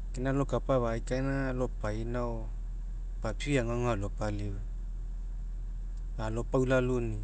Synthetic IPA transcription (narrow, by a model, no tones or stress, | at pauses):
kinalokapaβajkainalopainao | papiaŋaŋalopaliwa | alopawlaluni